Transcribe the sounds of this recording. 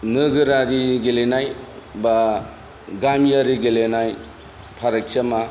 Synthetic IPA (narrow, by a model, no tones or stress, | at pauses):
nɯɡɯɾaɾiɡelenajba | ɡamijaɾiɡelenaj | pʰaɾek̚sama